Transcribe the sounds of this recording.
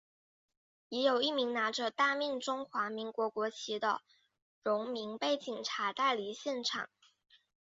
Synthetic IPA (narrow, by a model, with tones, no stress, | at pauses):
jɛ˧˥jo˨˩ʊi˥˩mi˧˥ŋna˧˥ʈ͡ʂə˧t̪a˥˧mɛ˥˩ŋʈ͡ʂʊ˥ŋxwa˧˥mi˧˥ŋkwɔ˧˥kwɔ˧˥t͡ɕʰi˧˥d̪ə̰˧ | ɻʊ˧˥ŋmi˧˥ŋpe˥˩ɪt͡ɕi˨˩ŋʈ͡ʂʰa˧˥t̪a˥˩ɪli˧˥ɕjɛ˥˩nʈ͡ʂʰɑ̰˨˩˦ŋ